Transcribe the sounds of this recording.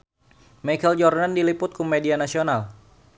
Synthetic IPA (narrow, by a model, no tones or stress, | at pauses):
makɛld͡ʒɔrnandilipʊt̪̚kʰɔmedianasional